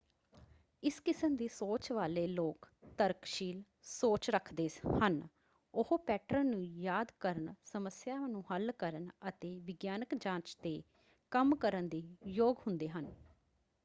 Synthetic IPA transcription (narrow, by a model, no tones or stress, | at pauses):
ɪskɪsəmd̪iːsoːt͡ʃʋaːleːloːkt̪əɾkʃiːl | soːt͡ʃɾəkʰd̪eːhən | ʊhopɛːʈɾənũːjaːd̪kəɾənsəməsjaːnũːhəlkəɾənət̪eːʋɪɡjaːnəkd͡ʒãːt͡ʃt̪eː | kəmkəɾənd̪iːjoːɡɦʊnd̪eːɦən